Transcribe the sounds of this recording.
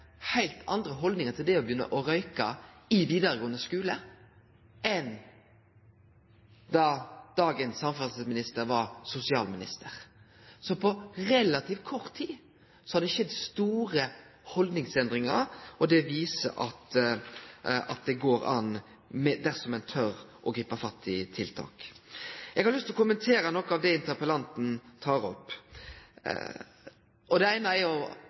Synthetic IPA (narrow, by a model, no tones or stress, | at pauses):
hæɪlt̪ʰɑnd̪ɾəɦɔld̪nɪŋət̪ʰɪld̪ɛɔbjʏnːə̰ʔɔɾœʏkɑ | ɪʋiːd̪ɑɾəɡoːənd̪əskʉːlə | ʔɛn | d̪ɑd̪ɑːɡənsːɑmfɑsəsmɪnɪst̪əɾʋɑɾsʊsɪɑːlmɪnɪ̰st̪əɾ | sɔpʰɔʁɛlɑt̪ʰiːft̪̚kʰɔɾt̪ʰːiː | sɔhɑd̪ɛʃɛd̪st̪uːɾə | hɔld̪nɪŋsɛnd̪ɾɪŋə̰ɾɔd̪ɛʋiːsə̰ʔɑt̪ | ɑ̰t̪̚d̪ɛɡoːɾɑ̰n | mɛd̪æɾsɔmɛnt̪ʰœɾʔɔɡɾiːpəfɑst̪ːɪt̪ʰɪlt̪ʰɑ̰ːk | ɛɡhɑɾlʏst̪lɔkʊmənt̪ʰeːɾənɔkːəɑʋd̪ɛɪnt̪əɾpəlɑnt̪n̩t̪ʰɑːɾɔ̰pː | ʔɔd̪ɛæɪnəæɾjʊ